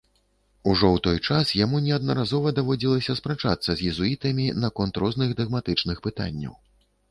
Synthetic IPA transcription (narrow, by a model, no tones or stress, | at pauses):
uʐɔwt̪ɔjt͡ʂasjamunʲɛɐd̪̚nɐ̰ɾazɔvɐd̪avɔd͡zʲilˠɐsʲɐspɾat͡ʂa̰t̪sːɐzʲjɛzuit̪ɐmʲinakɔnt̪ɾɔznɨɣd̪ɐɣmat̪ɨt͡ʂnɨxpɨt̪a̰nʲːɐ̰w